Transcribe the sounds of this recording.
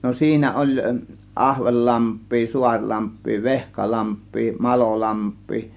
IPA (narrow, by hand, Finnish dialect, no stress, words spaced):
no siːnæ olʲ ʔɑhʋelːɑmpˑiː suɑrʲlɑmpˑiː ʋehkɑlɑmpˑiː mɑlolɑmpˑiː